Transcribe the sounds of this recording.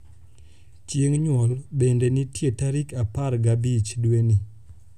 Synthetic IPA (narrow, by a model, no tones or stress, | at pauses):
t͡ʃjeŋɲwɔlbendenitjetaɾikapaɾɡabit͡ʃdweni